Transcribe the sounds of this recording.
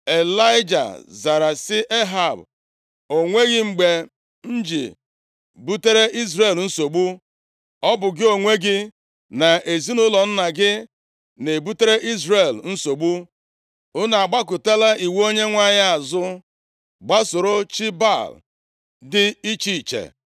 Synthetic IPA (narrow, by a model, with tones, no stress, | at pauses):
e˨la˦ɪ˦d͡ʒa̰˨za˨ɾa˨sɪ˦ʔe˦ɦa˨b | o˨ŋʷe˦ɣɪ˦ŋ͡m̩˨ɡ͡be˨ | n̩˦d͡ʒḭ˨ | bu˦te˦ɾe˦ʔi˦zɾe˨ln̩˦so˨ɡ͡bu˦ | ɔ˦bʊ˨ɡɪ˦o˨ŋʷe˦ɡɪ˦ | na˨ʔe˨zi˦nʊ˦lɔ˨n̩˦na˨ɡɪ˦ | ne˨bu˦te˦ɾe˦ʔi˦zɾe˨ln̩˦so˨ɡ͡bu˦ | ʊ˦na˨a˨ɡ͡ba˦kʊ˨te˦la˦i˨we˦o˦ɲe˦ŋʷa˦ɲa˦a˨zʊ˦ | ɡ͡ba˦sʊ˨ɾo˦t͡ʃi˦ba˦˨l | dɪ˦i˦t͡ʃi˦˨t͡ʃḛ˨